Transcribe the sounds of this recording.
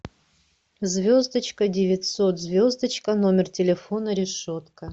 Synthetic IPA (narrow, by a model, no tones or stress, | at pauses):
zvʲozd̪ət͡ɕkədʲɪvʲɪtʲso̞t̪zvʲozd̪ət͡ɕkəno̞mʲɪrtʲɪlʲɪfonəɾʲɪʂot̪kə